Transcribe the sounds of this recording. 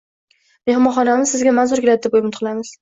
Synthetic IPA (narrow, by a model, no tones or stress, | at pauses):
mehmɒnχɒnamɪzsɪzɡʲamanzʊɾɡʲɪlat̪̚d̪ɪbojɪmɪt̪qɨlamɪz̥